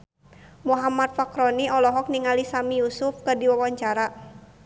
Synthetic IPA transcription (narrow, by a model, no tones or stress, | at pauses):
muɦamat̪̚fakɾɔniɔlɔɦɔk̚niŋalisamijusʊfkɨrdiwawaɲt͡ʃaɾa